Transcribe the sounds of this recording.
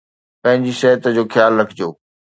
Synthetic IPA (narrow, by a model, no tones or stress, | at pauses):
pɐ̃ɦɪ̃ɲd͡ʑiʃɐɦət̪d͡ʑoːxjaːlːɐɡʰʱɪd͡ʑoː